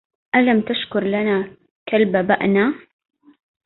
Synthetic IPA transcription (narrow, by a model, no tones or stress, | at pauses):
ʔalamt̪aʃkʊɾˤlanaː | kalbabaʔna